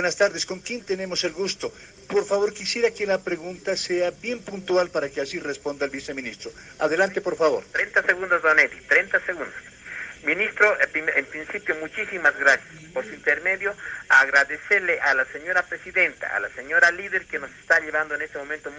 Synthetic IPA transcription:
bwenast̪aɾðesko̞ŋkje̞nt̪e̞ne̞mo̞se̞lɣust̪o̞ | po̞ɾfaβo̞ɾkisje̞ɾakelapɾe̞ɣunt̪ase̞abje̞mpunt̪walpaɾakeasirespo̞nd̪aelβise̞mĩnist̪ɾo̞ | a̰ðe̞lant̪e̞po̞ɾfaβo̞ɾt̪ɾent̪aseɣund̪ozdoneðit̪ɾent̪aseɣund̪os | mĩnist̪ɾopiempɾinsipjomut͡ʃisimazɡɾasjaspoɾsint̪eɾme̞ðjo̞aɣɾaðeseɾleʔalaseɲo̞ɾapɾesiðe̞nt̪a̰a̰laseɲo̞ɾaliðeɾkeno̞se̥st̪aʎeβand̪oene̞st̪emo̞ment̪o

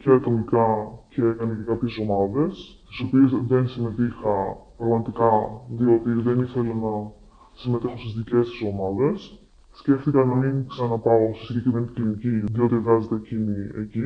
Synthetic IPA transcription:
ceɐt̪o̞mikɐce̞e̞kɐnece̞kɐpçe̞so̞mɐðe̞sst̪i̥so̞piesðe̞nsime̞t̪ixɐpɾɐɣmɐt̪ikɐðio̞t̪iðe̞niθe̞lenɐ | sime̞t̪exost̪izðice̞st̪i̥so̞mɐðe̞sː | ce̞ft̪ikɐnɐmiŋksɐnɐpɐosisiɟecɾivent̪kliniciðio̞t̪ieɣɐzet̪ecinie̞ci

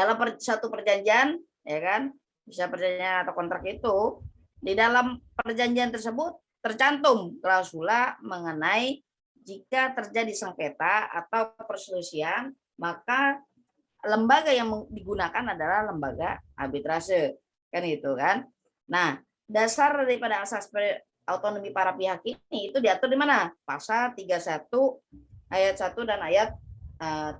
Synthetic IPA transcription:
dalampəsat̪upərd͡ʒaɲd͡ʒian | jakan | bisapərd͡ʒaɲd͡ʒianat̪awkɔnt̪ɾakit̪u | didalampərd͡ʒaɲd͡ʒiant̪ərsəbʊt̪ːərt͡ʃant̪ʊmkəlawsulaməŋənai | d͡ʒikat̪ərd͡ʒadisaŋket̪aa̰t̪awpərsəlusian | maka | ləmbaɡajaŋmədiɡunakanadalahləmbaɡaʔa̰bit̪ɾasə | kanɡit̪ukanː | ah | dasardaɾipadaːsaspə | aut̪onomipaɾapiɦakiniːt̪udiat̪ʊrdimanapasalt̪iɡasat̪uajat̪̚sat̪udanajat̪̚ə

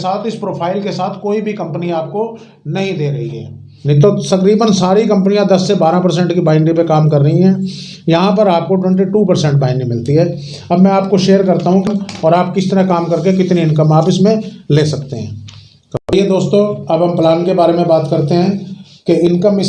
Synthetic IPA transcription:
saːt̪ʰɪspɾoːpʰaːɪlkesaːt̪ʰkoːibʱikɐ̃mpəniaːp̚ko | nɐɦĩd̪eːɾɐɦiɦɛ̰ː | nt̪ot̪ɐkɾiːbənsaːɾikɐ̃mpənijãd̪ɐsːebaːɾãpɐɾs̬ɛ̃ɳʈkibaːɪɳɖipekaːmkɐɾːɐɦiɦɛ̃ː | jɐɦãp̬ɐɾaːp̚koʈwɛ̃ɳʈ̬iʈuːpɐɾsɛ̃ɳʈ̚baːɪnɖimɪlt̪iɦɛː | ɐbmɛ̃aːp̚koʃeːəɾkɐɾt̪aɦũkɔːɾaːpkɪst̪ɐɾakaːmkɐɾk̬ekɪt̪niɪnkəmaːpɪsmẽleːsɐk̚t̪eɦɛ̰̃ː | kɐɦɛd̪oːst̪õɐbɦɐmplaːnkebaːɾemẽbaːt̪kɐɾt̪eɦɛ̃ː | keɪnkəmɪ

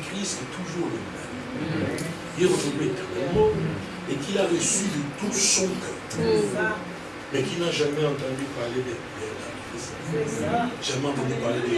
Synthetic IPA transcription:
kχisɛt̪ʰuʒuʁləmɛ̰m | ilɛʁənɔmet̪ɛ̃mɔmɑ̃ | ekilaʁɛsylət̪usɔ̃kɔ | mɛkinaʒamɛɑ̃t̪ɑ̃d̪ypaʁled̪ɛ | d̪ɛlakis | ʒ̥amɑ̃t̪ɑ̃d̪ypaʁled̪

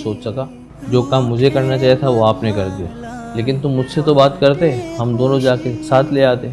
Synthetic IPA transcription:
soːt͡ʃsɐka | d͡ʒoːkaːmːʊd͡ʒʱekɐɾnat͡ʃaːɦijet̪ʰaʋoaːpnekɐɾd̪ija̰leːkɪnt̪ʊmːʊd͡ʒʱset̪obaːt̪kɐɾt̪eɦɛ̃ɦɐmd̪oːnõd͡ʒaːkesaːt̪ʰleaːt̪eɦɛ

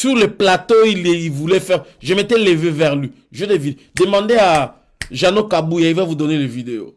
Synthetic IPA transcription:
syʁleplat̪oilivulɛfɛʁʒemet̪ɛlevevɛʁlɥi | ʒødevide | d̪əmɑ̃d̪ea | ʒanokabujaivavud̪ɔnelevid̪eo̰

